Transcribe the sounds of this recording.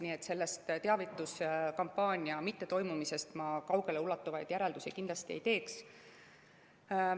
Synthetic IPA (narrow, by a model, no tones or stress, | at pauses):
niːe̞t̪ːˑse̞lːest̪t̪e̞ɑvit̪ːˑuskɑmpːɑːnʲiɑmit̪ːe̞t̪o̞jmumise̞st̪mɑkɑwɡ̥e̞le̞ulːɑt̪ːˑuvɑjd̪̥jæɾe̞ld̪usikind̪lɑst̪iejt̪e̞ːks